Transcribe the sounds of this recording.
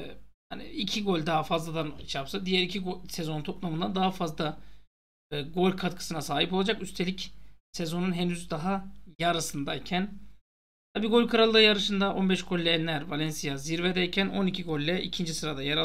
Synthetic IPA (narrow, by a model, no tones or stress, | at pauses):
ha̰nḭicʰiɡo̞lʲd̪aɦafazlˠad̪anit͡ʃjapsad̪ijɛɾicʰiɡosezo̞nt̪ʰo̞plˠamɯnd̪ad̪aɦafazlˠa | ɡo̞lʲkʰat̪̚kʰɯ̥sɯnasaːɦipo̞lˠad͡ʒakyst̪ʰe̞lʲicsezo̞nunɦenyzd̪aɦajaɾɯsɯnd̪aicʰæn | t̪ʰabiːɡo̞lʲkʰaɾalˠːɯjaɾɯʃɯnd̪aʔo̞nbɛʃɡ̥o̞lʲlʲːɛɛnːʲæɾvalʲɛnsijaziɾved̪ɛjcʰæno̞nicʰiɡo̞lʲːɛʔḭcʰind͡ʒisɯɾad̪ajaɾa